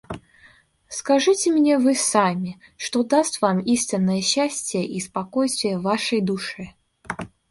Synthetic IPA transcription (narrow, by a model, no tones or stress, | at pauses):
skaʐɨt͡sʲɪmnʲɛvɨsamʲi | ʂt̪ɔd̪ast̪vamisʲt̪ʲɪnːəjəɕːasʲt͡sʲɪjəʔispakɔjst̪vʲɪjəvaʂɐjd̪uʂɨ